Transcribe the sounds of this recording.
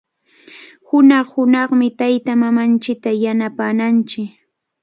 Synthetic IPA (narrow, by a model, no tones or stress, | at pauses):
hʊnɑχhʊnɑχmɪt̪ajt̪amamant͡ʃɪk̚t̪ajanapaːnant͡ʃɪk